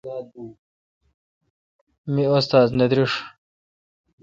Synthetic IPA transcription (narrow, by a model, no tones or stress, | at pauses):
aː | miost̪aːzned̪ɾiʂ